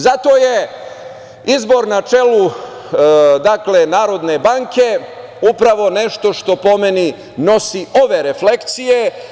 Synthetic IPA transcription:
zat̪o̞je̞ | izbo̞ɾnat͡ʃe̞lu | d̪akle̞naːɾo̞d̪ne̞baŋke | upɾaʋo̞ne̞ʃt̪o̞ʃt̪o̞po̞meni | no̞siʔo̞ʋe̞ɾeflekt̪sije̞

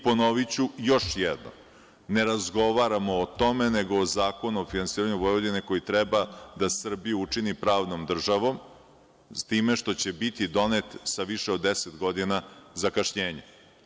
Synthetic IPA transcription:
po̞noʋit͡ɕujo̞ʂjɛd̪no̰m | neɾazɡo̞ʋaɾamo̞ːt̪o̞me̞neɡo̞ːzaːko̞nuofinansiːɾaɲuvojod̪ineko̞jit̪ɾɛbad̪asr̩bijuut͡ʂinipɾaːʋno̞md̪r̩ʒaʋo̞m | st̪iːme̞ʃt̪o̞t͡ɕebit̪id̪o̞net̪saʋiʃeod̪ːeset̪ɡo̞d̪inazakaʃɲeːɲe

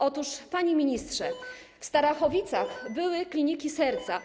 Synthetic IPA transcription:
ʔɔt̪uʂpaɲimʲiɲist̪ʂɛ | fst̪aɾaxɔvʲit̪saxbɘwɘklʲiɲikʲisɛɾt̪sa

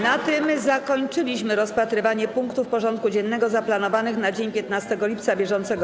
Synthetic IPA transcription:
nat̪ɘmzakɔɲt͡ʂɘlʲiɕmɘɾɔspat̪ɾɘvaɲɛpuŋkt̪ufpɔʐɔnt̪̚kud͡ʑɛnːɛɡɔzaplanɔvanɘxnad͡ʑeɲpʲjɛt̪̚nast̪ɛɡɔlʲip̚t̪sabʲjɛʐɔnt̪sɛɡɔ

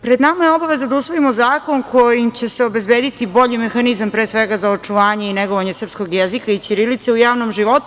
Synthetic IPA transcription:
pɾed̪namajeo̞baʋe̞zad̪ausʋo̞imozaːko̞nkʰo̞jimt͡ɕeseo̞be̞zbeːd̪it̪ibo̞ʎime̞xanizampɾeːsʋeɡazaot͡ʂuʋaːɲe̞ineɡoʋaɲesr̩psko̞ɡjezikait͡ʃiɾilit̪seujaːʋnomʒiʋo̞t̪u

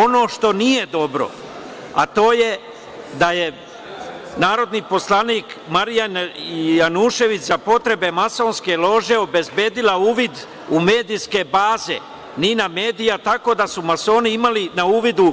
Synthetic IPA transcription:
o̞no̞ːʃt̪o̞nije̞d̪o̞bɾo̞̰ | a̰t̪o̞ːje̞ | d̪aje | naːɾo̞d̪niːpo̞slˠaniːkmaɾijanjanuʃe̞ʋit͡ɕzapo̞t̪ɾe̞be̞maso̞ːnske̞lˠo̞ʒe̞o̞be̞zbe̞ːd̪ilauːʋid̪ | ume̞ːd̪iske̞baːze̞̰ | niname̞ːd̪ijat̪ako̞ːd̪asumaso̞ːniimalinauːʋid̪u

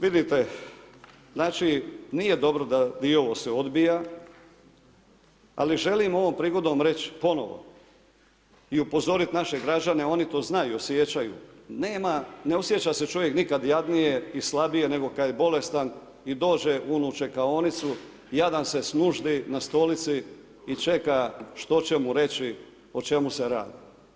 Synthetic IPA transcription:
ʋid̪it̪e̞ | znaːt͡ʃinije̞d̪o̞bɾo̞d̪ad̪io̞ʋo̞seod̪bija | a̰liʒe̞limo̞ʋo̞mpɾiːɡo̞d̪o̞mɾe̞t͡ɕpo̞no̞̰ʋo̞̰ | iupo̞zo̞ɾit̪naʃe̞ɡɾad͡ʑane̞o̞nit̪o̞ːznajiuosje̞t͡ɕajṵneːmane̞o̞sje̞t͡ɕase̞t͡ʃo̞ʋje̞knikad̪jad̪nije̞islˠabije̞ne̞ɡo̞kad̪jebo̞le̞st̪an | id̪o̞ːd͡ʑe̞ʔunut͡ʃe̞kao̞nit̪su | jad̪amse̞snuʒd̪inast̪o̞lit̪siː | t͡ʃe̞kaʃt̪o̞t͡ɕe̞muɾe̞t͡ɕi | o̞t͡ʃe̞museɾa̰ːd̪i

